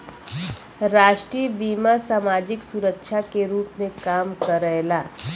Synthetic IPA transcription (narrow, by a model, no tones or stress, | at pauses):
ɾaːʃʈɾibiːmasaːmaːd͡ʒɪksuɾəkʃʰakeɾuːpmẽkaːmkəɾɛɦlaː